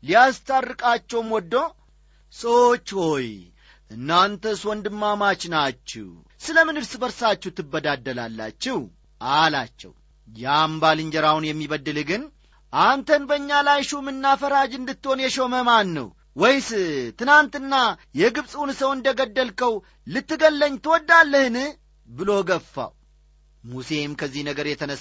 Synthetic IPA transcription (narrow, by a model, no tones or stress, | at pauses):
lijast̪ʰarːɨkʼat͡ʃːɛwmwɔd̪ːo | sot͡ʃːhoj | ʔɨnːant̪ʰəswɔnd̪ɨmːamat͡ʃːnat͡ʃːɛ̰w | sɨləmɨnɨɾsɨbəɾsat͡ʃːɛht̪ʰːɨbːəd̪ad̪ːəla̰lːa̰t͡ʃːɪh | ʔala̰t͡ʃːɛ̰w | jambalɨɲd͡ʒɛɾahunjɛmːiβəd̪ːɨlɡɨn | ʔant̪ənbəɨɲːalajʃumɨnːafəɾad͡ʒɨnd̪ɨt̪ːɨho̞njɛʃoməmanːə̰w | wɔjsɨt̪ɨnant̪ɨnːajɛɡɨbsʼunsəwɨnd̪əɡəd̪ːəlkʰəw | lɨt̪ːɨɡəlːəɲːt̪ɨwɔd̪ːalːəhɨn | bɨlo̞ɡəfːa̰w | muse̞mkʰəzːihnəɡəɾjɛt̪ʰənə